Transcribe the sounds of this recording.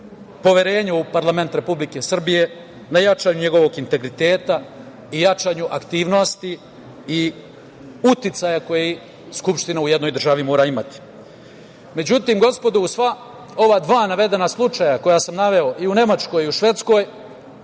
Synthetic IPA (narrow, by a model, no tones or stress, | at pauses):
po̞ʋjeɾe̞ːɲaupaɾlˠame̞nt̪ɾe̞publike̞sr̩bije̞ | najat͡ʃaːɲuɲe̞ɡo̞ʋo̞ɡint̪e̞ɡɾit̪e̞ːt̪a | ijat͡ʃaːɲuʔakt̪iːʋno̞st̪i | i | ut̪it̪sajako̞jei | skupʃt̪inauje̞d̪nojd̪r̩ʒaʋimo̞ːɾaimat̪i̥ | me̞d͡ʑut̪iːmɡo̞spo̞d̪uusʋa | o̞ʋad̪ʋaːnaʋe̞d̪e̞naslˠut͡ʃajako̞jasamnaʋe̞o̞ʔiune̞mat͡ʃko̞jiuʃʋe̞t̪sko̞ːj